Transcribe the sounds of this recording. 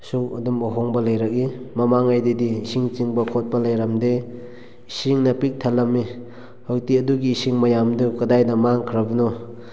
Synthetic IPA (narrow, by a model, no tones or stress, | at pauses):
suŋɐdumɔɦoŋbɐlajɾak̚imɐmaŋajdediːsiŋt͡ʃiŋbɐkʰot̚pɐlajɾamde | isiŋnɐpik̚tʰalamːi | hojtiɐduɡiːsiŋmɐjamdukɐdajdɐmaŋkʰɾabunɔ